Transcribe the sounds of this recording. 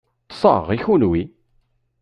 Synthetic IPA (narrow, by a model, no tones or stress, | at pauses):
t̪sˤɑ̰ʁiçunwi